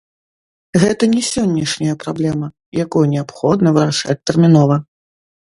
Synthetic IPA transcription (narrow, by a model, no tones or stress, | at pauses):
ɣɛt̪ɐnʲɛsʲɔnʲːɐʂnʲɐjɐpɾablʲɛmɐ | jakujunʲɛapxɔd̪nɐvɨɾaʂa̰t͡sʲt̪ɛrmʲinɔvɐ